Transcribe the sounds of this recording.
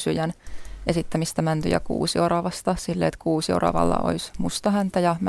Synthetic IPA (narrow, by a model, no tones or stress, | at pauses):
syjænʔesit̪ːæmist̪æmænt̪y̰jɑ̰kṵːsiorɑʋɑst̪ɑsilːeet̪kuːsio̰rɑ̰ʋɑ̰lːɑ̰ʔo̰ismust̪ɑhænt̪æjɑm